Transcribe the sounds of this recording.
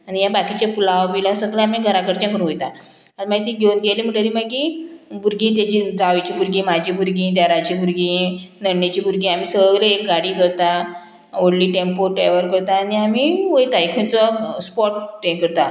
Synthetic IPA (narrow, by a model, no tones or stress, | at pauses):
anijabakit͡ɕjapulaʋbilasəɡlaamiɡʱəɾakəɾt͡ɕãkəɾũʋojt̪a | ad͡zmaɡit̪iɡʱewnɡelim̤əʈəɾiːmaɡibuɾɡĩːt̪̬jat͡ɕid͡zaʋit͡ɕiːbuɾɡiːmad͡ʑʱiːbuɾɡĩːd̪aɾat͡ɕibuɾɡĩnəɳːet͡ɕiːbuɾɡĩam̤iːsəəɭleek̚ɡaɽiːkəɾt̪a | oɽliːʈempoʈeʋəɾkəɾt̪aːniamiʋəjt̪ajkʰẽnt͡sɔspɔʈʈekəɾt̪a